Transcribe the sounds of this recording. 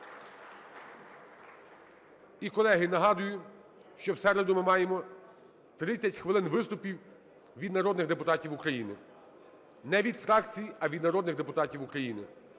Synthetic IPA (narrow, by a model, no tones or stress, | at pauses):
ikɔlˠɛɦɪnɐɦɑd̪ʊjʊ | ʃt͡ʃɔwsɛɾed̪ʊmɪmɑjemɔ | t̪ɾɪt͡sʲːɐtʲxʋɪlˠɪnʋɪst̪ʊpʲiw | ʋʲid̪nɐɾɔd̪nɪɣd̪e̞pʊt̪ɑtʲiwʊkɾɐjinɪ | nɛʋʲid̪fɾɑkt͡sʲijiɐʋʲid̪nɐɾɔd̪nɪɣd̪e̞pʊt̪ɑtʲiwʊkɾɐjinɪ